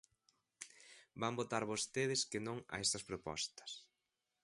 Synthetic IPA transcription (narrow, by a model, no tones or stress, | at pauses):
bambot̪aɾβost̪eðɪskɪnõŋɐ̰ɛst̪ɐspɾopɔ̰st̪ɐ̥s